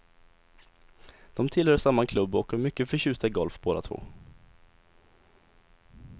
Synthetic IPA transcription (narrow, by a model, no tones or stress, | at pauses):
d̪̥ɔmt̪ʰɪlhœːʂamːakʰlɵbːɔkəmʏkːəfœɕʉ̟ːst̪aɪɡɔlfboːd̪a̰t̪ʰvo̰ː